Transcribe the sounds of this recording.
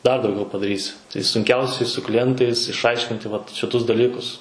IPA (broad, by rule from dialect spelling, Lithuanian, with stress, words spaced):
dɐr dɐʊˈɡʲɛʊ pɐdɐˈrʲiːsʲɪ tɐɪ sʊŋʲˈkʲɛʊsʲɛɪ sʊ klʲɪˈjɛntɐɪs ɪʃˈɐɪʃʲkʲɪnʲtʲɪ ʋɐt ʃʲɪˈtʊs dɐˈlʲiːkʊs